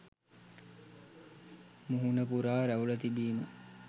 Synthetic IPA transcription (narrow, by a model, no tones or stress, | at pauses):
muɦunɐpuɾaːɾæɦulɐt̪ibiːmu